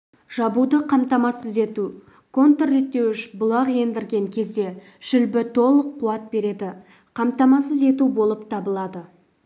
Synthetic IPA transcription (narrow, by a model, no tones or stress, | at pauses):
ʒ̥ɑbud̪əqʰɑmt̪ɑmɑsəze̞t̪u | kʰo̞nt̪oret̪ːe̞wɪʃbʊlˠɑʁe̞nd̪ɪɾɡʲe̞ŋkʲʰe̞zd̪e̞ | ʒ̥ʏlbɪt̪ʰo̞lˠəqʰːuɑt̪̚be̞ɾe̞d̪ɪ | qʰɑmt̪ɑmɑsəze̞t̪ubo̞lˠəpt̪ʰɑbəlˠɑd̪ə